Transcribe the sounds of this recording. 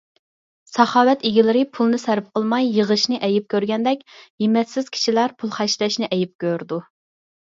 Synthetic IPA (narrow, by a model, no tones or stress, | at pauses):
sɑχɑːwɛt̪eɡʲilɪɾɪpʰulˠnɨsæɾp̚qəlˠmɑjːəʁəʃnɨʔɛjɪp̚kʲʰøɾɡʲɛnd̪ɛkʲjimɛt̪sɪz̥kʲʰi̥ʃilæɾpʰulˠχæʃlɛʃnɪʔɛjip̚kʲøɾd̪u